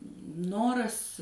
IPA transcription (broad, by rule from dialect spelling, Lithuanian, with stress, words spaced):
ˈnoːrɐs